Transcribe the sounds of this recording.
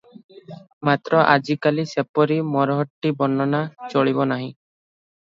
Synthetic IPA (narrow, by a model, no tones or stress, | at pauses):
mat̪ɾɔʔa̰d͡ʒikalisepɔɾimɔɾɔɦɔʈːibɔnɔnat͡ʃɔɭibɔnaɦĩ